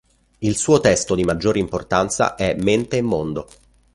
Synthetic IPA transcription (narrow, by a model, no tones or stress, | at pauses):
ilsuːot̪ɛst̪od̪imad͡ʒːoːɾeimport̪ant̪sa̰ʔɛmːent̪eːmːond̪o